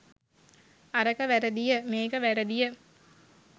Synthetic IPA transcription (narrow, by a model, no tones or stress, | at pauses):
aɾəkəʋæɾəd̪ijəmeːkəʋæɾəd̪ijə